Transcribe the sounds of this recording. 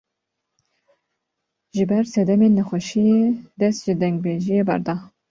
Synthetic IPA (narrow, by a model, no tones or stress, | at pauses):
ʒɨbɛɾsɛd̪ɛmeːnːɛxʷɛʃijed̪ɛst̪ʒɨd̪ɛŋɡ̚beʒijeːbɛ̰ɾd̪ɑ